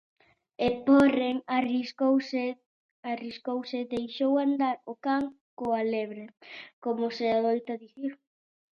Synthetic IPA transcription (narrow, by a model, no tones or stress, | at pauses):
eporeŋarisows | ariskowsɪðejʃowand̪aɾokaŋ | koaleβɾekomʊseaðojt̪aðiθiɾ